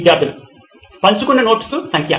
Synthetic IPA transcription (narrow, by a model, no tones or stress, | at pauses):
d̪jaːɾt̪ʰilṵ | pɐɲt͡ʃukunːɐno̞ːʈi̥susɐŋkʰjɐ̰